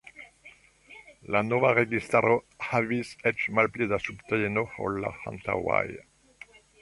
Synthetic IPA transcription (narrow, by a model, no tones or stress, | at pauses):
lanɔvaʁeɡist̪aɾohavisɛt͡ʃmalpled̪asupt̪eenoho̰lːa̰hã̰nt̪a̰wa̰j